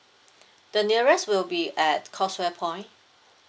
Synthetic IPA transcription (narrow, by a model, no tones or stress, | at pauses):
d̥əniəɹɛswɪlbiɛtkʰɔswɛpʰɔ̃ɪ̃nʔ